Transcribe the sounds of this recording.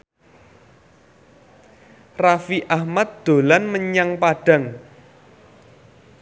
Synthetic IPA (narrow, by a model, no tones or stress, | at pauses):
rafiʔahmat̪̚d̪̥o̤lanməɲaŋpaɖ̥ä̤ŋ